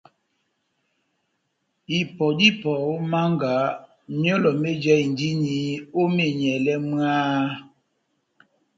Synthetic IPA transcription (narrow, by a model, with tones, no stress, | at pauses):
i˨pɔ˨di˦pɔ˨o˦ma˦ŋɡa˨˦ | ɲɔ˦lɔ˨me˦d͡ʒɛ˦i˨n˨di˦ɲi˨˦o˦me˨ɲɛ˨lɛ˦m˦a˦